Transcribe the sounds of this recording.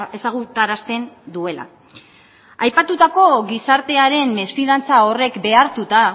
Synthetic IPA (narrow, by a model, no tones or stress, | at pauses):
e̞saɣ̞ut̪aɾast̪e̞nd̪ue̞la̰ | ajpat̪ut̪ako̞ɣisaɾt̪e̞aɾe̞mme̞sfiðant͡sao̞re̞kbe̞aɾt̪ut̪a